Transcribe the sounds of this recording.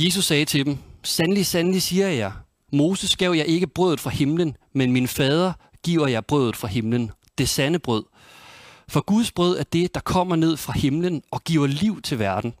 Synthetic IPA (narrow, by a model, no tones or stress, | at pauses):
je̝s̬usːɛːt͡sʰe̝d̥emsænlisænlisiːɐjɑ̈ɪ | mo̝ːsəsɡ̥ɛʊjɑ̈ɪe̝ɡ̥əb̥ʁœðˠð̩ˠfʁɑ̈he̝mlənmenminəfɛːð̞ˠɐɡ̥ḭːʊɐjɑ̈ɪb̥ʁœðð̩ˠfʁɑ̈ɦe̝mlənd̥e̝sænəb̥ʁœð̞̰ˠ | fɒ̽ɡ̥uðˠsb̥ʁœð̞̰ˠæɐd̥e̝d̥ɑ̈kʰɒ̽m̰ɐne̝ð̰ˠfʁɑ̈he̝mlənɒ̽ɡ̥iʊɐliʊ̰t͡sʰe̝ʋæɐd̥n̩